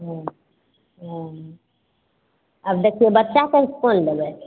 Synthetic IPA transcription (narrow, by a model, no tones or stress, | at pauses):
ɦõ | ɦ | əbd̪ekʰiebətːt͡ʃakekond̪ebɛ